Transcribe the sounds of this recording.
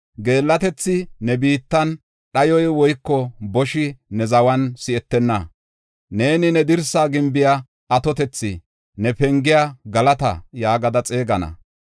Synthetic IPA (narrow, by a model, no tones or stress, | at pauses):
ɡe̞ːlːɐt̪ɛt͡sːɪnɛbiːt̪ːɐn | ɗɐjɔjwɔjkːɔbɔʃɪnɛzɐwɐnsɪɛt̪ːɛnːɐ | ne̞ːnɪnɛd̪ɪɾsaːɡɪmbɪja | ɐt̪ɔt̪ɛt͡sːɪ̰ | nɛpɛŋɡɪjaɡɐlɐt̪ɐ̰jaːɡɐd̪ɐt͡sʼe̞ːɡɐnɐ̰